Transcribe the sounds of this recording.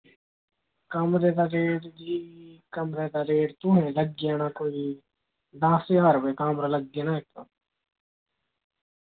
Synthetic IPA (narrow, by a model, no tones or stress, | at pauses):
kɐmɾeːt̪aɾeːɽd͡ʒikɐmɾɛːt̪aɾeːɽt̪uɦɛ̃lɐɡjanakoːi | d̪ãːseaːɾʋekaːmɾɐlɐɡjanaeːk̚t̪ɐ